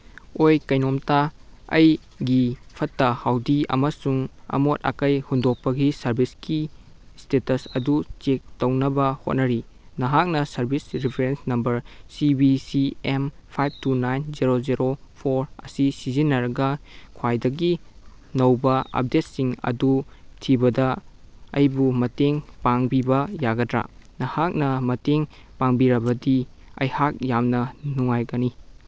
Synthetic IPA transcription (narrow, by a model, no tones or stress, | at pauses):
ojkɐjnomtaɐ̰j | ɡipʰɐtːɐhawdiɐ̰mɐsuŋɐ̰mot̚a̰kɐjhundok̚pɐɡisɐɾbʱiski | stetɐsɐdut͡ʃek̚tɐwnɐbɐho̰t̚nɐɾi | nɐɦak̚nɐsɐɾbʱisɾipʰeɾensnɐmbɐɾsibisiempʰajb̚tunajnziɾoziɾopʰoɾɐ̰sisizinːɐɾɐɡɐkʰwajdɐɡi | nɐwbɐɐ̰p̚det̚siŋɐ̰dutʰibɐdɐ | ɐjbumɐteŋpaŋbibɐjaɡɐdɾa̰nɐhak̚nɐmɐteŋ | paŋbiɾɐbɐdi | ɐ̰jhak̚jamnɐnuŋajɡɐni